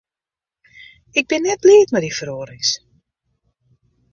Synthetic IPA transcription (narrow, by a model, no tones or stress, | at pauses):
ɪk̚bɪnːɛt̚liːtmɛdifroːɾis